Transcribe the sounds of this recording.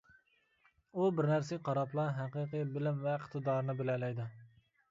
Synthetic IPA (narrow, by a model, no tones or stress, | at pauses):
ubɪɾnæɾsɪqʰɑɾɑplˠɑɦæqiqɨbɪlɪmvɛɪqt̪ʰɨd̪ɑːɾnɨbɪlɛlɛjd̪u